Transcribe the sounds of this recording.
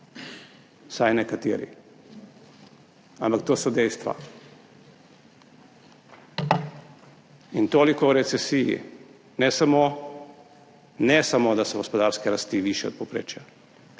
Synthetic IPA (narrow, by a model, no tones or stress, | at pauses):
sajnɛkat̪iɾḭ | ampak̚t̪oːsod̪ɛjst̪ʋa̰ | int̪oːlikouɾɛt̪sɛsijḭ | nɛsamo | nɛsamod̪asoɡospod̪aːɾskɛɾast̪iʋiːʃjɛo̰d̪̚popɾḛːt͡ʃja